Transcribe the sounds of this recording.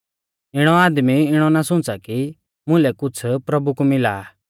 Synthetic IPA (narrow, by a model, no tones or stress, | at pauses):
ɪɽ̃ɔaːd̪miɪɽ̃ɔnasʊ̃t͡saki | mʊ̃lɛkʊt͡sʰpɾɐbukumɪla̰ː